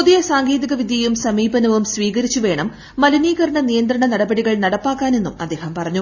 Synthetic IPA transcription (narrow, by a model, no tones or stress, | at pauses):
puðijɐsaːŋɡeːd̪iɣɐʋid̪ʱjɐjumsɐmiːbɐnɐʋumsʋiːɣɐɾit͡ɕːuʋe̞ːɳɐmː | ɐlɐniːɣɐɾɐɳɐnijɐnd̪ɾɐɳɐnɐɽɐbɐɽiɣɐɭnɐɽɐpːaːkːaːne̞nːumɐ̰d̪ːe̞ːhɐmpɐrɐɲːu